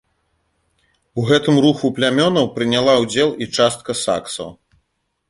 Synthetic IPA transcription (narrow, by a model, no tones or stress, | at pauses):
uɣɛt̪ɨmruxuplʲamʲɔnɐwpɾɨnʲalˠawd͡zʲɛlˠit͡ʂast̪̚kɐsa̰ksɐ̰w